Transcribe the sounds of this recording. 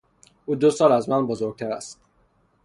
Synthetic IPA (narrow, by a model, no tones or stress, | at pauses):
ʔuːd̪osɒːlæzmænbozoɾɡ̚t̪ʰæɾæst̪